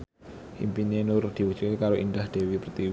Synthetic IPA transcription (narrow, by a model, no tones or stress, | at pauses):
himpinenʊrd̪̥i̤wu̥t͡ʃukekaɾoʔind̪ahd̪̥e̤wipərt̪iw